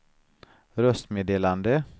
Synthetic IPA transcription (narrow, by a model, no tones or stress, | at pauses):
ɾœst̪meːd̪eːland̪ə